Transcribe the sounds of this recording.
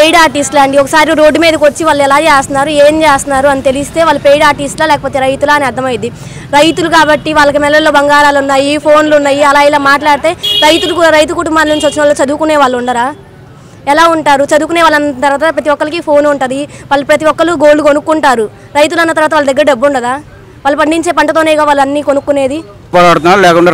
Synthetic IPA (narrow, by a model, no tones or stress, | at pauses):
pejɖaːɾʈiːsʈlaɳɖiɔkɐsaːɾiɾo̞ːɖːumiːd̪ɐkʋɐt͡ʃːiʋaːɭːɛlaːt͡ʃeːst̪unaːɾue̞ːnd͡ʒeːst̪ɐnaːɾuɐnit̪e̞list̪e̞ːʋaːlːupejɽaːɾʈisʈlaːlɛːkɐpo̞ːt̪e̞ːɾɐjt̪ulaːniɐɾd̪ɐmɐjind̪i | ɾɐjt̪ulukaːbɐʈːiʋaːɭːɐk̬imɛlːɐlːo̞ːbɐŋɡaːɾaːlunːaːjipʰo̞ːnlunːaːjiɐlaːilaːmaːʈlaːɽit̪e̞ːɾɐjt̪ulukuɾɐjt̪ukuʈumbaːnlɐnit͡ʃʋɐt͡ʃːinɐʋloːt͡ʃɐd̪ukuneːʋaːɭːuɳɖaːɾaː | ɛlaːuɳʈaːɾut͡ʃɐd̪ukuneːʋaːlːɐnːɐt̪ɐɾʋaːt̪ɐpɾɐt̪iʋɔkːɐlikipʰo̞ːnuɳʈɐd̪iʋaːlːɐpɾɐt̪iʋɔkːɐluɡoːlːukonukːuɳʈaːɾu | ɾɐjt̪ulɐnːɐt̪ɐɾʋaːt̪ʋaːlːɐd̪ɐɡːɐɾɐɖebːuɳɖɐd̪aː | ʋaːlːɐpɐɳɖiɲt͡ʃe̞ːpɐɳʈɐt̪o̞ːnɛːɡaːʋaːɭːɐnːiːkonukːune̞ːd̪i | pɔːɾaːɽut̪unaːɾlɛːkuɳɖaː